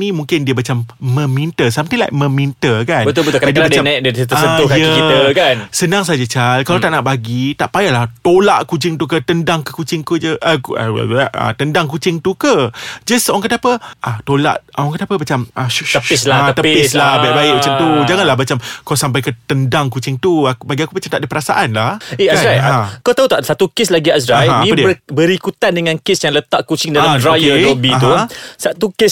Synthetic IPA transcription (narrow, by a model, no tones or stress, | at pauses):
nĩmuŋkɪndiəmat͡ʃamːə̃mint̪əsamt̪ila̰jmə̃mint̪əkanbət̪ʊbət̪kadiəbadanadət̪əssəʊkajəiəkansənãŋs̬ad͡ʒat͡ʃalkalowt̪aʔnaʔbaɡit̪aʔpajalaht̪olaʔkud͡ʒɪŋt̪uk̬ət̪əndaŋkəkut͡ʃɪŋkud͡ʒəʔəkə̰aʔə̰t̪əndaŋkut͡ʃɪŋt̪ukəd͡ʒəswaŋkənapəʔat̪ola̰ʔɔŋkənapəmat͡ʃamaəpslaat̪əɪslahbajʔbaɪʔ̚mat͡ʃamt̪ud͡ʒaŋanlahmat͡ʃamkawsampajkət̪əndaŋkut͡ʃɪŋt̪uakbaɡiakumat͡ʃamt̪aʔdəpəɾasaʔanlaheaajãkawt̪aɦut̪aʔsat̪ukeslaɡiasɾaajãĩədiəbəɾikut̪andəŋankesjaŋlət̪aʔkut͡ʃɪŋdalamdɾajeobiaɦt̪usat̪ukɪs